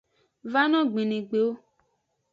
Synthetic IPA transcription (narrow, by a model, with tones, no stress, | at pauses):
va˦nɔ̃˦ɡ͡bĩ˨nĩ˨ɡ͡be˨wo˦